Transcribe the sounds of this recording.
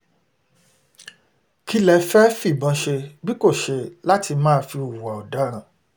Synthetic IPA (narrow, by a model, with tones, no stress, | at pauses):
ki˦lɛ˨˧fɛ˦fi˦˨bã˨˦ʃe˧bi˦ko˦˨ʃe˧la˦ti˧mãː˦˨fi˧u˨wa˨ɔ˨da˨˦ɾ̃ã˦˨